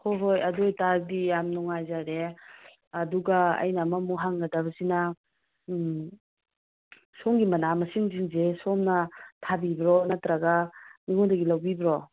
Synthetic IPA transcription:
kʰoɦojɐdojtaɾdijamnɔŋajzaɾe | ɐduɡaɐ̰jnamamuɦaŋɡadabɐsina | sɔŋɡimɐnamɐsiŋziŋzesɔmnɐtʰabibɾɔnatɾaɡaniŋɔdaɡilawbibɾɔ

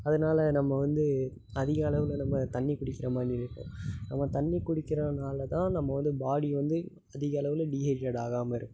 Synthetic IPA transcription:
ɐðɐnaːlɐnɐmːɐʋɐnd̪ɯ | ɐðɪɣɐɐɭɐʋɪlnɐmːɐt̪ɐɳːikʊɽɪkːɪɾɐmaːd̪ɾɪɾɯkːʊ̰̃nɐmːɐt̪ɐɳːikːʊɽɪkːɪɾɐnaːlɐt̪ãːnɐmːɐʋɐnd̪ɯbaːɽiʋɐnd̪ɯ | ɐðɪɣɐɐɭɐʋɪlɖiːɦɐd͡ʒɐɽaːɣaːmɐɪɾɯkːʊ

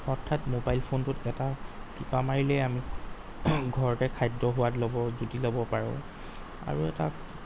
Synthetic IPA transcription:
ɔtʰːatmobajlpʰontʊtɛtakipamaɹilɛjami | ɡʱɔɹɔtɛkʰajdɹɔɦʊwatlɔbɔzutilɔbɔpaɹʊ̰̃ | a̰ɹuɛ̰ta̰

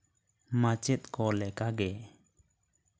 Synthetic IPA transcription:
mat͡ʃɛt̪̚kɔlɛkaɡɛ

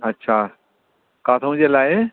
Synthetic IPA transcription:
ɐtːɕʰaː | kãːt̪ʰõɲd͡ʑelaːɪ

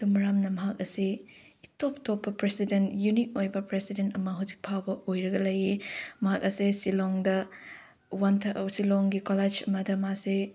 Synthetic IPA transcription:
dumɾamnɐmɐɦak̚ɐsi | itop̚topːɐpɾesidentjunik̚ojbɐpɾesidentɐmɐɦuzi̥k̚pʰawbɐojɾɐɡɐlɐjimɐɦak̚ɐsesiloŋdɐ | wɐntʰɐʔɐsiloŋɡikoled͡ʒɐ̰mɐdɐmase

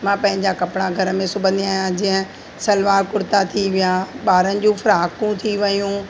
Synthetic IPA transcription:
mãːpɐ̃ɦɪ̃ɲd͡ʑakɐpɽ̃aɡʱɐɾə̆mẽsʊbʱə̃nd̪ijãːɦjãd͡ʑĩːɦə̃ | sɐlʋaːɾkʊɾɪt̪at̪ʰiʋijaːɓaːɾənɪ̆d͡ʑũːfʊɾaːkũt̪ʰiʋɐjũː

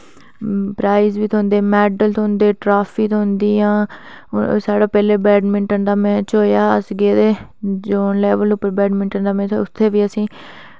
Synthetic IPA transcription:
pɾaːɪzʋiːt̪ʰõːnd̪eːmɛːɖəlt̪ʰond̪eːʈɾaːpʰiːt̪ʰoɦʊnd̪iːãː | saːɽaːpɛːleːbɛːɖmɪɳʈəɳd̪aːmɛ̃ːt͡ʃoːjaːəsɡeːd̪eːd͡ʒoːnlɛːʋəlʊpːəɾbɛːɖmɪ̃ɳʈəɳd̪aːmɛ̃ːt̪ːʊt̪ʰːeːʋiːəsĩː

